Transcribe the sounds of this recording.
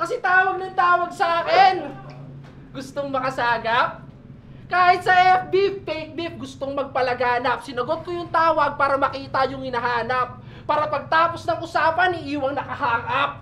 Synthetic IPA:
kɐsɛt̪aːwɐɡ̚nɐŋt̪aːwɐɡ̚sɐʔaːkɛn | ɡʊst̪oŋmɐkɐsaːɡɐp̚ | kaːhɪt̪̚sɐʔɛbifːɛjk̚bif̚ɡʊst̪oŋmɐɡ̚pɐlɐɡaːnɐp̚sɪnɐɡot̪̚kojʊŋt̪aːwɐɡ̚paːɾɐmɐkiːt̪ɐjʊŋhɪnɐɦaːnɐp̚ː | aːɾɐpɐɡ̚t̪aːposnɐŋʔʊsaːpɐnɪʔiːwɐŋnɐkɐhaːŋʔap̚

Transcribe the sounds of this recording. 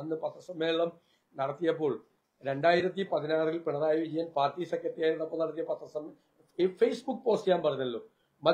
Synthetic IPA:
ɐnːɨpɐt̪ːɐsɐmːeːɭɐm | nɐɽɐt̪ːijɐp̬ːo̞ːɭ | ɾe̞ɳɖaːjiɾɐt̪̬ːipɐðinaːrilpiɳɐraːjiʋid͡ʑijɐnpaːrtːisɐkːɐtːijaːjɾunːɐpːoɭnɐɽɐt̪ːijɐpɐt̪ːɐsɐm | fejsbukːɨpo̞ːstɐjaːnpɐrɐjunːɐlːoː | mɐ

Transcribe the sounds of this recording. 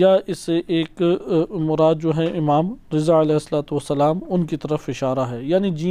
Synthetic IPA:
jaʔɪsːeʔeːkmʊɾaːd̪̚d͡ʒoːɦɛʔɪmaːmɾɪzaɐlɛːɦɪsːɐlaːt̪uʋɐsːɐlaːmʊnkit̪ɐɾəfɪʃaːɾaɦɛːjaːnid͡ʒiː

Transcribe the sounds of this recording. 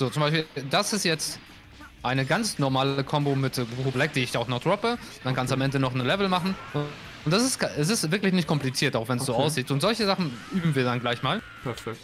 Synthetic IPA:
z̥oːt͡sʊmbaɪʃpiːdasɪstjɛt͡st | ʔaɪnəɡant͡snɔɐmaːləkʰɔmbomɪtʁoblɛk̚d̥iːɪç̥aʊxnɔχd̥ʁɔpəd̥ankʰanstːamʔɛndənɔχnəlɛvl̩maχn̩ | ʔʊntd̥as̬ɪstʔɛs̬ɪstv̥ɪɐklɪçnɪçtkʰɔmplit͡siːɐtaʊxvɛnsz̥oːʔaʊs̬z̥iːtʊntzɔlçəzaχn̩ʔyːbm̩viːɐdanɡlaɪçmaːl | pʰɛfɛkt

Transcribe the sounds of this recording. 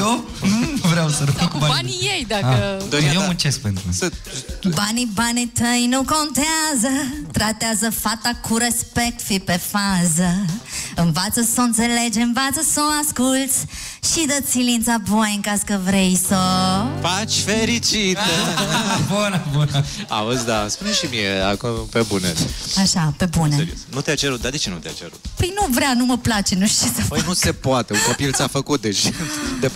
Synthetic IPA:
o | vɾeawsəɾufkubabaniejd̪akəd̪ojewmut͡ʃesk̚pent̪ɾu | banibanit̪əjnũkõnt̪eazət̪ɾat̪eazəfat̪akʰuɾespek̚t̪fipefazəɨ̃ɱvat̪səsõt̪seled͡ʒɨɱvat̪səsõw̃askult̪sʲ | ʃid̪əsilĩnt̪sabojəŋkaskəvɾejsəfat͡ʃʲfeɾit͡ʃit̪ebunəbuna̰ozd̪aspuneʃimieakupebuneaʃape̞buneeɾionut̪eat͡ʃeɾut̪̚d̪ad̪e̞t͡ʃe̞nut̪ea̰t͡ʃeɾṵt̪pəjnuvɾanuməplat͡ʃe̞nuʃt̪isəfənuse̞poat̪euŋkopilt̪safəkut̪̚d̪et͡ʃʲd̪e

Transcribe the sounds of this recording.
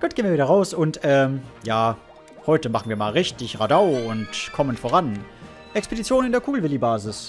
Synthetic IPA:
ɡ̥uːtd̥eːniːɐviːdɐʁaʊsʊntʔɛːjaː | hɔʏtəmaχn̩viːɐmaːlʁɪçtɪçʁadaʊʊntkʰɔmənfoːʁ̞an | ʔɛkspedit͡sjoːnɪndeːɐkʰuːɡl̩vɪlibaːzɪs

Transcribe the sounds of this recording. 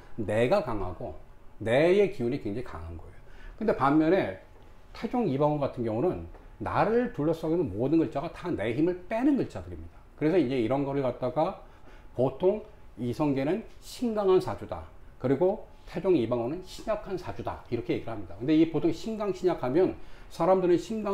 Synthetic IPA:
ne̞ɡakaŋɦa̰ɡone̞je̞kiunikwe̞ŋd͡ʑaŋika̰ŋɦanɡʌ̰e̞jokɯnde̞pamːjʌne̞ | tʰe̞d͡ʑoŋibaŋʌŋɡatʰɯnɡjʌŋunɯnː | a̰ɾɯɭtuɭːʌs͈ʌɡenɯnmodɯnɡɯɭt͡ɕ͈aɡatane̞çimɯɭp͈e̞nɯnɡɯɭt͡ɕ͈adɯɾimɲid̥akɯɾe̞sʰʌinɲd͡ʑe̞iɾʌnɡʌɾɯɭkat̚t͈aɡa | potʰoŋ | isʰʌŋɡe̞nɯnɕʰiŋɡaŋɦansʰad͡ʑuda̰kɯɾiɡo | tʰe̞d͡ʑoŋibaŋʌnɯnɕʰiɲakʰansʰad͡ʑuda̰iɾʌkʰe̞je̞ɡiɾɯɭhamɲidakɯnde̞ipotʰoŋɕʰiŋɡaŋɕʰiɲakʰamjʌnsʰaɾamdɯɾɯnɕʰiŋɡa

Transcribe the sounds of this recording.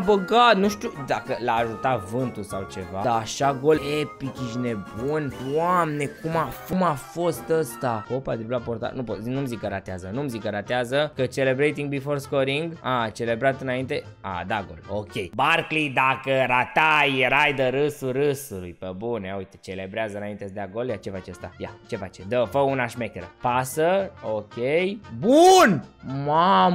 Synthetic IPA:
bəɡat̪nuʃt̪ud̪akəlaːʒut̪at̪vɨnt̪usawt͡ʃe̞vaaʃaɡo̞lepikʲiʃne̞bunamne̞kumafumafo̞st̪əst̪apopa̰t̪ɾiblaport̪a̰nupot̪inumzikəɾat̪eazənumzikəɾat̪eazəkət͡ʃe̞le̞bɾejt̪iŋɡ̚bifo̞rskoɾiŋɡat͡ʃe̞le̞bɾat̪ɨnaint̪e̞ | a̰d̪aɡo̞̰lokʲe̞jbarklid̪akəɾat̪ajɾajd̪əɾɨsuɾɨsulujpəbunjaujt̪e̥t͡ʃe̞le̞bɾeazəɨnaint̪esd̪aɡoljat͡ʃe̞fat͡ʃest̪a̰ja̰t͡ʃe̞fat͡ʃed̪əfəunaʃmekʲeɾəpasəokʲejbunmam

